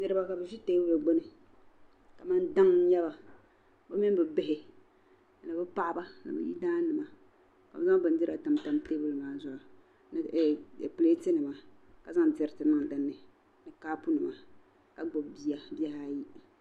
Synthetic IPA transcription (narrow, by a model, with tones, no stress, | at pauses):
nɨ˨ɾɨ˦ba˨ka˨bɨ˨ʒi˦teː˦bɨ˦lɨ˨ɡ͡bo˦nɨ˨ | ka˨ma˦nda˦ŋ˦ɲɛ˦ba˨ | bɨ˦mɪ˦n˦bɨ˨bɪ˦hɪ˨ | nɨ˨bɨ˦pa˦ʔba˦nɨ̰˨bɨ̰˨jḭ˦daː˦nɨ˨ma˨ | ka̰˨bɨ˨za˦ŋ˦bɨ˨n˦dɨ˦ɾa˨ta˨mta˨˦mte˦bɨ˦lɨ˨maː˨zʊ˨a˨ | nɨ˨pɨ˨le˦te˦nɨ˨ma˨ka˨za˦ŋ˨tɛ˨ɾɨ˨tɨ˨nɨ˦ŋ˨dɨ˨nːɨ˨ | nɨ˨kaː˦pu˦nɨ˨ma˨ | ka˨ɡ͡bo˨bbi˦a˨bi˦ɛ˦ha˦ji˦